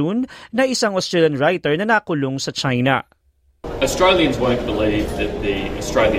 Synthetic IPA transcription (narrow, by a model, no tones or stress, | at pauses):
unːɐʔɪsaŋɔst̪ɹɛljɐnɹajt̪ɛɹnɐnaːkʊloŋsɐt͡ʃajnɐ̰ | əstɹ̥eɪlˠjɨ̃nzwõʊ̃nb̥əliːvðɨt̪̚ðiəstɹ̥eɪlˠjɨ̃